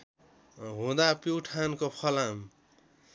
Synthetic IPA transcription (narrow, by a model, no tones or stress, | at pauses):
ɦũd̪apiwʈʰankopʰʌlam